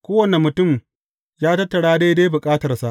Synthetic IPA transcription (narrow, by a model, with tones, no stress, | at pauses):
kʷoː˦wɐ˨ne˨mʊ˨tʊ˦˨m | jaː˦tɐ˦tːɐ˨ɽaː˦deː˦deː˦jbʊ˨kʼaː˦tɐ˨rsa˦ʔ